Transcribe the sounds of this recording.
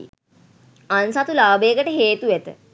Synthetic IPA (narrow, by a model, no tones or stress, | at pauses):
ansat̪ulaːbeːkəʈəɦeːt̪ujet̪ə